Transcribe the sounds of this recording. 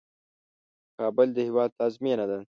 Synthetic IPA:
kɑːbəld̪əhɪwɑːd̪̚t̪ɑzmenad̪a

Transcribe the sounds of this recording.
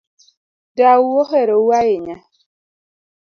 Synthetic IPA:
dauwoɦɛɾeuajɪɲa

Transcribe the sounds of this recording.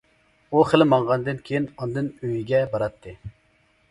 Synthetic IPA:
uχəlɪmɑɴʁɑnd̪ɨnkʲʰejinɑnɨd̪ɨnøjiɡʲɛbɑɾɑt̪ʰːɨ

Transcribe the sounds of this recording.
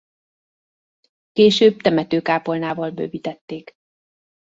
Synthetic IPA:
keːʃøːb̚t̪ɛmɛt̪øːkaːpolnaːvɒlbø̰ːbit̪ɛt̪ːeːk

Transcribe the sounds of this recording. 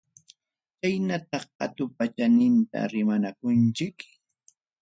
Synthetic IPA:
t͡ʃajnat̪̚ɑχa̰t̪ʊpat͡ʃanɪnt̪a̰ɾɪmanakʊnt͡ʃɪk

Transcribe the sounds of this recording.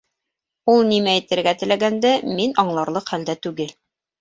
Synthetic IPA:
ulˠnimæit̪ɘ̆ɾɡæt̪ɘ̆læɡænd̪æminɑɴlˠɑɾlˠɤqχæld̪æt̪ʉɡɘl

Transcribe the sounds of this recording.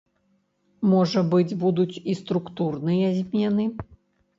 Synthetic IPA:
mɔʐɐbɨd͡zʲbud̪ut͡sʲist̪ɾukt̪urnɨjɐzʲmʲɛnɨ

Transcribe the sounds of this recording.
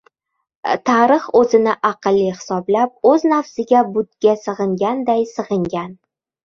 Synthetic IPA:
t̪ʰaɾɨχɵzɪnɪʔɑqɨlˠːiχɪ̥sɒblap̚ɵznafsɪɡʲabʊt̪ɡʲasɨʁɨŋɡʲand̪ajsɨʁɨŋɡʲan

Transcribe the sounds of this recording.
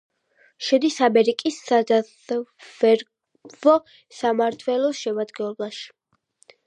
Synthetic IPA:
ʃɛd̪isamɛɾikʼisad̪a | vɛɾ | vɔ | samaɾt̪ʰwɛlˠɔsʃɛmad̪ɡɛlɔblˠaʃi̥

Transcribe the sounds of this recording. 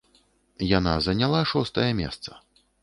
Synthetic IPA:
jana̰zɐnʲalˠaʂɔst̪ɐjɐmʲɛ̰st̪sɐ̥

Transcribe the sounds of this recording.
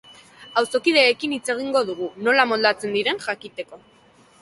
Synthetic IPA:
awso̞kið̞e̞ːkinit͡se̞ɣ̞iŋɡo̞ðuɣ̞uno̞lamo̞ld̪at͡se̞nd̪iɾe̞ŋʝakit̪e̞ko̞

